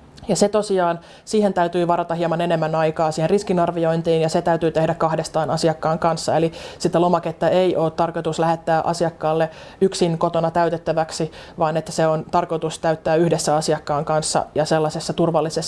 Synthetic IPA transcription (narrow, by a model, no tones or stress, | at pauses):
jɑset̪osiɑːn | siːhent̪æyt̪yːʋɑɾɑt̪ɑhiɑmɑnenemːænɑikɑːsiːheriskinɑrʋioint̪iːnjɑset̪æyt̪yːt̪ehdækkɑhdest̪ɑːnɑsiɑkːɑːŋkɑnsːɑelisit̪ːælomɑket̪ːæeiʔoːt̪t̪ːɑrkot̪uslæhet̪ːæːʔɑ̰siɑkːɑːlːe | yksinkot̪onɑt̪æyt̪et̪ːæʋæksiʋɑːnet̪ːæ̥seont̪ɑrkot̪ust̪æyt̪ːæːyhdesːæɑsiɑkːɑːŋkɑnsːɑ̰jɑselːɑsesːɑt̪urʋɑlːisesː